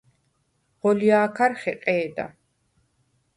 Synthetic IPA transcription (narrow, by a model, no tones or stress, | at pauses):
ʁɔliaːkʰaɾχɛqʼɛːd̪a̰